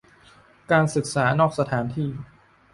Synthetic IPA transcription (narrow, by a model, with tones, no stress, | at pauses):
kaː˧nsɯ˨˩k̚saː˩˦nɔː˥˩k̚sa˧t̪ʰaː˩˦nt̪ʰiː˥˩